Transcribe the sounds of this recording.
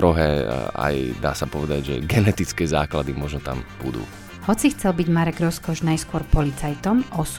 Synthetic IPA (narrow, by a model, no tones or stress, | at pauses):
ɾɔɦɛːa̰jd̪a̰ːsapɔʋɛd̪aɟʒɛ̰ɡɛnɛt̪it͡skɛːzaːklad̪imɔʒnɔt̪a̰mb̥ṵd̪ṵː | hɔt͡sixt͡sɛlbiɟmaɾɛɡɾɔskɔʒnajskʊɔɾpɔlit͡sajt̪ɔmɔs